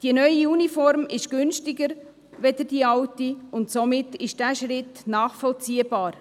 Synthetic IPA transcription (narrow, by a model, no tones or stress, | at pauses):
d̥iənœʏiunifɔɾmɪʃɡ̥ʏnʃtɪɡəɾ | ʋɛd̪əd̥iɑwtiʊntsomɪtɪʃd̥æːʃɾɪtnɑːχfɔlt͡siːəbɑːɾ